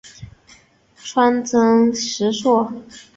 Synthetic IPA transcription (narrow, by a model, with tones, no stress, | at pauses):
ʈ͡ʂʰwa˥nt͡sɤ˥ŋʂɻ̩˧˥ʂwɔ˥˩